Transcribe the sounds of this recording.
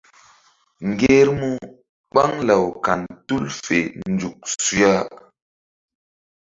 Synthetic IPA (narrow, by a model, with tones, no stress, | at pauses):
ŋ˨ɡe˦ɾmu˦ | ɓa˦ŋla˨wka˨ntu˦lfe˨nd͡ʒu˨k̚su˦a˦